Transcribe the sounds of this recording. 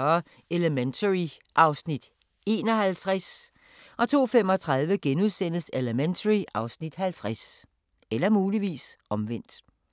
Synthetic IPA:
ɐ | eləment͡sʰəʁi | ʔɑ̈ʊsnid̥ | e̝̰ːnɒ̽hælt͡sʰʁas | ʔɒ̽t͡sʰo̝̰ːfem̰ɒ̽t͡sʰʁɑ̈ð̞ˠʋəɡ̥enuðˠsen̰əseləment͡sʰəʁiɑ̈ʊsnid̥hælt͡sʰʁas | elɐmuːliʋḭːsɒ̽mʋen̰d̥

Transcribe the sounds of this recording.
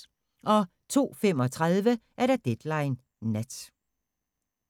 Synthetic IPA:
ʔɒ̽ | t͡sʰo̝̰ːfem̰ɒ̽t͡sʰʁaðˠʋəʔæɐɾ̥ɑ̈d̥ed̥lɑ̈ɪnː | æd̥

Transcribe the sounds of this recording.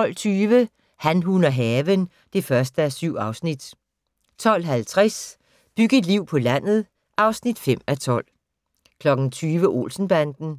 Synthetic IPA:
ɒ̽l̰t͡sʰyːʋə | hænɦunɐɦɛːʋən | d̥e̝fɶɐsd̥əæsyʊ̰ɑ̈ʊsnid̥ | t͡sʰɒ̽l̰ɦælt͡sʰʁas | b̥yɡ̥d̥liʊ̰pʰɒ̽læn̰ð̞̩ˠ | ʔɑ̈ʊsnid̥fem̰æt͡sʰɒ̽l̰ | kʰlɒ̽ɡ̥n̩t͡sʰyːʋəʔo̝̰ːlsn̩b̥ænd̥n̩

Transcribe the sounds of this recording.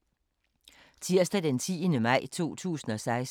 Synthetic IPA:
t͡sʰiɐsd̥æd̥ent͡sʰḭːənəmɑ̈ɪ̰t͡sʰo̝̰ːt͡sʰṵːsn̩ɒ̽sɑ̈ɪs

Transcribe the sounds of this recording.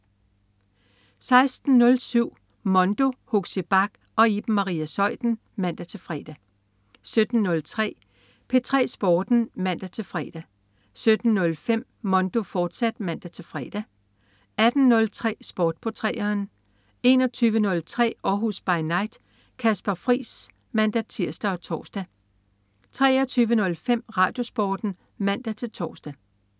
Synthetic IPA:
sɑ̈ɪsd̥n̩ːɔ̽lsyʊ̰ | mɒ̽nd̥o̝hoɡ̥seb̥ɑ̈ɡ̥ | ɒ̽ib̥̩mɑ̈ʁḭːæsɒ̽ɪ̰d̥n̩ | mæn̰d̥æt͡sʰe̝lfʁɛːd̥æ | sød̥n̩ːɔ̽lt͡sʰʁɛ̰ː | pʰe̝t͡sʰʁɛ̰ːsb̥ɒːd̥n̩mæn̰d̥æt͡sʰe̝lfʁɛ̰ːd̥æ | sød̥n̩ːɔ̽lfem̰ | mɒ̽nd̥o̝fɒːd̥sæd̥mæn̰d̥æt͡sʰe̝fʁɛ̰ːd̥æ | æd̥n̩nɔ̽lt͡sʰʁɛ̰ːsb̥ɒːd̥̚pʰɒt͡sʰʁɛ̰ːɐːn | e̝ːnɒ̽t͡sʰyːʋənɔ̽lt͡sʰʁɛ̰ːɒɦusb̥ɑ̈ɪnɑ̈ɪd̥ | kʰæsb̥ɐfʁḭːs | mæn̰d̥æt͡sʰiɐ̰sd̥æɒ̽t͡sʰɒ̰ːsd̥æ | t͡sʰʁɛ̰ːɒt͡sʰyːʋənɔ̽lfem̰ʁɑ̈ːd̥jo̝sb̥ɒːd̥n̩ | mæn̰d̥æt͡sʰe̝lt͡sʰɒ̰ːsd̥æ

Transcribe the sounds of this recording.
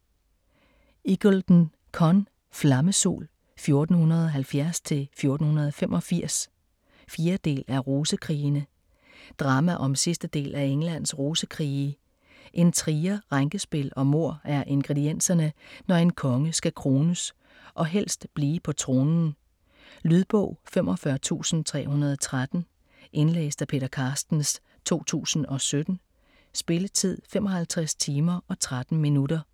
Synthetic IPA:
iɡ̥old̥n̩ | kʰɒn | flɑ̈məso̝̰ːl | fjo̝ɐd̥n̩hunɐð̞ˠɒ̽ɦælfjæɐst͡sʰe̝lfjo̝ɐd̥n̩hunɐð̞ˠɒfemʔɒ̽fiɐ̰s | fjiːɐd̥e̝̰ːlæɐʁoːsəkʰʁḭːnə | d̥ʁɑ̈mæʔɒ̽msisd̥əd̥e̝̰ːlʔæeŋlæn̰sʁoːsəkʰʁiː | ʔe̝nt͡sʰʁiːɐʁaŋɡ̥əsb̥e̝lɒ̽mo̝ɐ̰æɐʔe̝nɡ̥ʁed̥ien̰sɐnənɒe̝nkʰɒ̽ŋəsɡ̥ækʰʁo̝ːnəs | ʔɒ̽ɦel̰sd̥b̥liːpʰɒ̽t͡sʰʁo̝ːnn̩ | lyð̞ˠb̥ɔ̰̽ʊ̰femʔɒ̽fɶɐt͡sʰṵːsn̩t͡sʰʁɛ̰ːhunɐð̞ˠɒ̽t͡sʰʁad̥n̩ | ʔe̝nlḛːsd̥æpʰe̝ːɾ̥ɐkʰɑ̈ːsd̥n̩s | t͡sʰo̝̰ːt͡sʰṵːsn̩ɒ̽sød̥n̩ | sb̥e̝lət͡sʰið̞̰ˠfemɒ̽hælt͡sʰʁast͡sʰiːmɐʔɒ̽t͡sʰʁad̥n̩minudɐ

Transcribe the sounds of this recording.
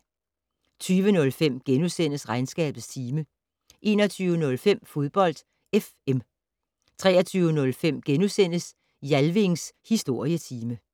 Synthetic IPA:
t͡sʰyːʋənɔ̽lfem̰ɡ̥enusen̰əsʁɑ̈ɪnsɡ̥ɛ̰ːb̥ð̩ˠst͡sʰiːmə | ʔe̝ːnɒt͡sʰyːʊənɔ̽lfem̰fo̝ð̞ˠb̥ɒ̽l̰d̥ | ef | em | t͡sʰʁɛːɐt͡sʰyːʊənɔ̽lfem̰ɡ̥enusen̰əs | jælʋe̝ŋshisd̥o̝ɐ̰iət͡sʰiːmə

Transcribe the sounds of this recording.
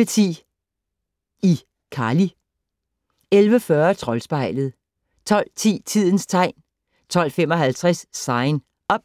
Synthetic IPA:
ət͡sʰḭː | i | kʰɑ̈ːli | elʋəfɶːɐt͡sʰʁɒ̽lsb̥ɑ̈ɪ̰ləð̞̩ˠ | t͡sʰɒ̽l̰t͡sʰḭːt͡sʰið̞̰ˠn̩st͡sʰɑ̈ɪ̰n | t͡sʰɒ̽l̰femɒ̽ɦælt͡sʰʁɛsːɑ̈ɪn | ɒ̽b̥̚

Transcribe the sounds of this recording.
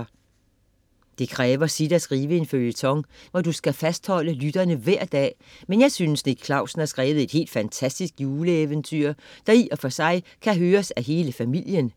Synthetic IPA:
d̥e̝kʰʁɛːʋɐsid̥æsɡ̥ʁiːʋəe̝nføljət͡sʰɒ̽ŋʋɒd̥usɡ̥æfæsd̥hɒ̽l̰əlyd̥ɐnəʋæɐ̰d̥ɛ̰ːmenjɑ̈ɪsynəsniɡ̥̚kʰlɑ̈ʊsn̩hæsɡ̥ʁɛːʋð̩ˠe̝d̥he̝̰ːld̥fænt͡sʰæsd̥isɡ̥juːləeʋənt͡sʰy̰ɐ̰d̥ɑ̈iʔɒ̽fɒ̽sɑ̈ɪkʰæɦøːɐsæɦe̝ːləfæmil̰jən

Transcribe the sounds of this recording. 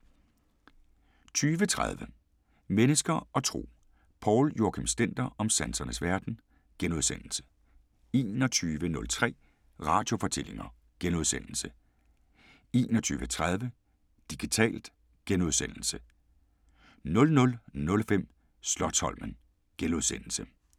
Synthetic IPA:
t͡sʰyːʋət͡sʰʁað̞ˠʋə | menəsɡ̥ɐɒ̽t͡sʰʁo̝̰ː | pʰɒːljoɐkʰemsd̥en̰d̥ɐɒ̽msænsɐnəsʋæɐd̥n̩ | ɡ̥enuð̞ˠsen̰l̩sə̥ | e̝̰ːnɒ̽t͡sʰyːʋənɔ̽lt͡sʰʁɛ̰ː | ʁɑ̈ːd̥jo̝fɒ̽t͡sʰe̝l̰e̝ŋɐ | ɡ̥enuð̞ˠsen̰l̩sə | e̝ːnɒt͡sʰy̰ːʋət͡sʰʁað̞ˠʋə | d̥iɡ̥it͡sʰɛ̰ːld̥ | ɡ̥enuð̞ˠsen̰l̩sə | nɔ̽lnɔ̽lnɔ̽lfem̰ | slɒ̽shɒ̽lmən | ɡ̥enuð̞ˠsen̰l̩sə

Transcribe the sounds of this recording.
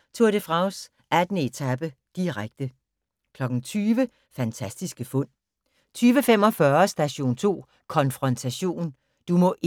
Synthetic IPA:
t͡sʰo̝ɐd̥efʁɑ̈ʊs | ʔæd̥nəe̝t͡sʰæb̥əd̥iʁaɡ̥̚d̥ə | kʰlɒ̽ɡ̥n̩t͡sʰyːʋə | fænt͡sʰæsd̥isɡ̥əfɔ̽n̰ | t͡sʰyːʋəfem̰ɒ̽fɶɐsd̥æɕo̝̰ːnt͡sʰo̝̰ː | kʰɒ̽nfʁɒ̽nt͡sʰæɕo̝̰ːn | d̥umɔ̽ʔ

